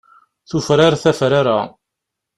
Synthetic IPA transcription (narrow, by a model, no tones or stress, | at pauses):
θufɾaɾθæfɾaɾa